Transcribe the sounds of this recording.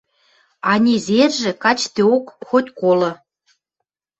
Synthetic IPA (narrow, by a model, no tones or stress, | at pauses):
ɑnʲezerʒĕkɑt͡ɕt̪eokxot̪ʲkolɤ̆